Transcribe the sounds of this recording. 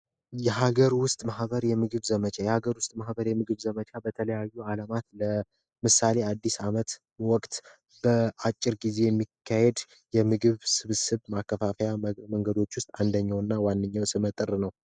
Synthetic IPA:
jɛɦaɡəɾwʊst̪ʼmahβəɾjɛmɨɡɨβzəmət͡ʃʰajɛhaɡəɾwʊst̪ʼmahbəɾjɛmɨɡɨβzəmət͡ʃabət̪ʰələjajːualamat̪lə | mɨsale̞ad̪ːisamət̪ | wɔkʼt̪ | b̥əat͡ʃʼːɪɾɡize̞jɛmːikʰːahed̪ | jɛmɨɡɨβsɨβɨsɨβmakʰːəfafəjaməŋɡəd̪o̞t͡ʃːwʊst̪ʼand̪əɲːawnːawanːɨɲːawsɨmət̪ʼɨrnəw

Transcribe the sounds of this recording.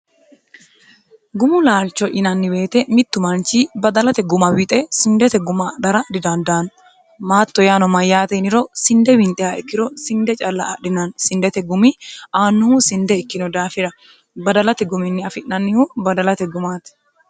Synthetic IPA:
ɡʊmʊlaːlt͡ʃːɔʔɪnɐnːɪbe̞ːt̪ɛmɪt̪ːʊmɐnt͡ʃibɐd̪ɐlɐt̪ɛɡʊmɐwɪt̪ʼɛsɪnd̪ɛt̪ɛɡʊmɐd̪ɐɾɐd̪ɪd̪ɐnd̪aːn | maːt̪ːɔjaːnɔmɐjːaːt̪ɛnɪɾɔsɪnd̪ɛwɪnt̪ʼɛjaɛkːɪɾɔsɪnd̪ɛt͡ʃʼɐlːɐʔːɗɪnɐnsɪnd̪ɛt̪ɛɡʊmɪʔaːnːʊhusɪnd̪ɛɛkːɪnɔd̪aːfɪɾɐ | bɐd̪ɐlɐt̪ɛɡʊmɪnːɪɐfɪʔnɐnːɪhubɐd̪ɐlɐt̪ɛɡʊmaːt̪

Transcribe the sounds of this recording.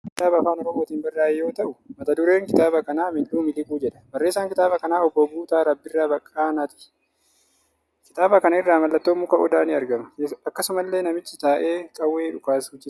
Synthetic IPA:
kɪt̪aːbɐːfaːnɔɾɔmo̞ːt̪iːnbɐrːaːjɛjo̞ːt̪ɐʔʊmɐt̪ɐd̪ʊɾe̞ːŋkɪt̪aːbɐkɐnaːmɪᶑuːmɪlɪɡuːd͡ʒɛᶑɐ̥bɐrːe̞ːsːaːŋkɪt̪aːbɐkɐnaːɔbːɔbuːt̪aːɾɐbːɪrːaːbɐkʼːaːnɐt̪ɪ̥ | kɪt̪aːbɐkɐnɐɪrːaːmɐlːɐt̪ːo̞ːmːuːkɐʔɔd̪aːnɪɐɾɡɐmɐɐkːɐsʊmɐlːe̞ːnɐmɪt͡ʃːɪt̪aːʔe̞ːkʼɐwːe̞ːᶑʊkaːsuːd͡ʒɪ

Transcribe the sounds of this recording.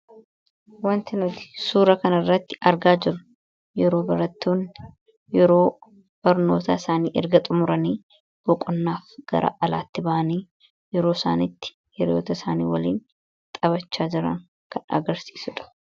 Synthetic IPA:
wɐnt̪ɪnʊt̪ɪ̥suːɾɐkɐnɐrːɐt̪ːɪ̥ʔɐɾɡaːd͡ʒɪɾʊ | jɛɾo̞ːbɐɾɐt̪ːoːn | jɛɾo̞ː | b̥ɐɾno̞ːt̪a̰ːɪsaːniːʔɛ̰ɾɡɐt̪ʼʊmʊɾɐniː | b̥ɔkʼʊnːaːfɡ̥ɐ̰ɾʔa̰ʔɐla̰ːt̪ːɪbɐʔɐniː | jɛɾoːsaːnɪt̪ːɪ̥ | hɛɾoːt̪ɐɪsaːnḭːwɐliːn | t̪ʼɐβɐt͡ʃːaːd͡ʒɪɾɐ̰ŋ | kʰɐnɐ̰ɡɐɾsi̥ːsʊᶑɐ̥

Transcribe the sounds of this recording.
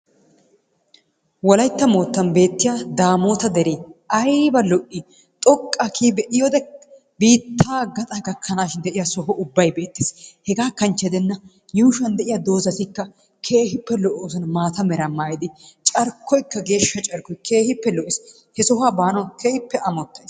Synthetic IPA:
wɔlɐjt̪ːɐmo̞ːt̪ːɐnbe̞ːt̪ːɪjaːd̪aːmo̞ːt̪ɐd̪ɛɾiːɐjbɐlɔʔːi | t̪ʼɔkʼːakʰiːbɛʔɪjɔd̪ɛ | biːt̪ːaːɡɐt̪ʼɐɡɐkʰːɐnaːʃɪnd̪ɛʔɪjasɔɦɔʔʊbːɐjbe̞ːt̪ːɪshɛɡaːkɐnt͡ʃːɛd̪ɛnːɐ | juhʊʃɐnd̪ɛʔɪjɐd̪o̞ːzɐt̪ɪkːɐ | kʰeːhɪpːɛlɔʔoːs̬ɔnɐmaːt̪ɐmɛɾɐmːaːjɪd̪ɪt͡ʃʼɐɾkʰːɔjkːɐɡe̞ːʃːɐt͡ʃʼɐɾkːɔjkʰe̞ːhɪpːɛlɔʔɪs | hɛsɔɦaːbaːnɔkeːhɪpːɛʔɐmɔt̪ːɐs

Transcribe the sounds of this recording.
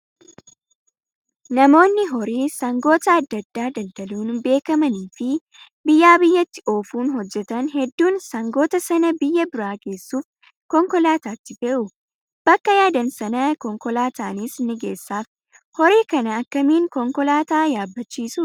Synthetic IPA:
nɐmo̞ːnːɪɦɔɾiːsɐŋɡo̞ːt̪ɐɐd̪ːɐd̪ːaːd̪ɐld̪ɐluːnbe̞ːkɐmɐniːfɪ | bɪjːaːbɪjːɐt̪ːɪʔo̞ːfuːnɦɔd͡ʒːɛt̪ɐnɦɛd̪ːuːnsɐŋɡo̞ːt̪ɐsɐnɐbɪjːɐbɪɾaːɡe̞ːsːuːf | kɔŋkɔlaːt̪aːt̪ːɪfɛʔʊ | b̥ɐkːɐjaːd̪ɐnsɐnɐkɔŋkɔlaːt̪aːnisnɪɡe̞ːsːaːf | hɔɾiːkɐnɐːkːɐmiːŋkɔŋkɔlaːt̪aːjaːbːɐt͡ʃːiːsu

